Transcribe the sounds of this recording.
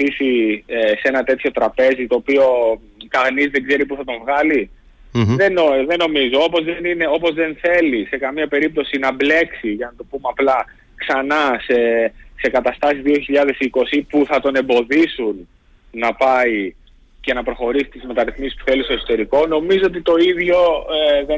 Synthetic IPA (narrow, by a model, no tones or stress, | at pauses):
isiese̞nɐt̪e̞t̪ço̞t̪ɾɐpe̞zit̪o̞ːpio̞ | k̪ɐnizðe̞ɡze̞ɾipuθɐt̪o̞ɱvɣɐli | ðenoðe̞no̞mizo̞opo̞zðenineo̞po̞zðe̞nθe̞lise̞kɐmiɐpe̞ɾip̚t̪o̞sinɐble̞ksiʝɐnɐt̪opumeɐplɐ | ksɐnɐsese̞kɐt̪ɐst̪ɐsizðio̞çiʎɐðe̞siko̞sipuθɐt̪o̞ne̞mbo̞ðisunː | ɐpɐi | ce̞nɐpɾo̞xo̞ɾisi̥t̪izme̞t̪ɐɾiθmisispu̥θe̞list̪oso̞t̪e̞ɾiko̞no̞mizoot̪it̪o̞iðʝo̞ðe